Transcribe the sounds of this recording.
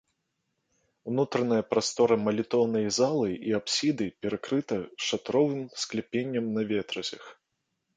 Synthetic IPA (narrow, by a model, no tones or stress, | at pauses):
wnut̪ɾɐnɐjɐpɾast̪ɔɾɐmɐlʲit̪ɔwnɐjzalˠɨiapsʲid̪ɨpʲɛɾakɾɨt̪ɐʂat̪ɾɔvɨmsklʲɛpʲenʲːɐmnɐvʲet̪ɾɐzʲɐx